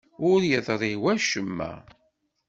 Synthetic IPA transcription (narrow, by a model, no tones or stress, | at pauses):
ʊɾjəðˤɾˤiwæʃəmːæ̰